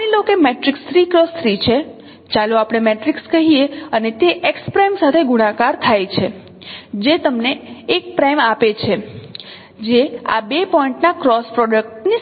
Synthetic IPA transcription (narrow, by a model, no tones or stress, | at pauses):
nilokemeʈɾikst̪ʰɾikɾəst̪ʰɾit͡ʃʰe | t͡ʃaluapɽ̃emeʈɾikskəɦieənet̪eʔekspɾajmsat̪ʰeɡuɽ̃ãkaɾt̪ʰajt͡ʃʰe | d͡ʒet̪əmneːk̚pɾajmapet͡ʃʰe | d͡ʒea̰bepɔiɳʈnakɾɔspɾɔɖək̚ʈni